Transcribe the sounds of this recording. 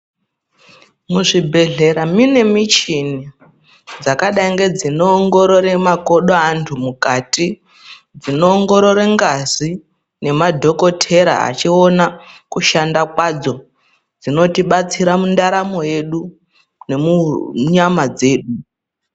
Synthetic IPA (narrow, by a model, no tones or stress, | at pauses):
muʐibʱe̞ɮe̞ɾamine̞mit͡ʃini | d͡zakaɗaiŋɡe̞d͡zino̞ːŋɡo̞ɾo̞ɾe̞mako̞ɗoantʰumukati | d͡zino̞ːŋɡo̞ɾo̞ɾe̞ŋɡazi | ne̞madʱo̞ko̞tʰe̞ɾa̰a̰t͡ʃio̞nakuʃandakwad͡zo̞ | d͡zino̞tiɓat͡siɾamundaɾamo̞je̞ɗu | ne̞muɲamad͡ze̞ːɗu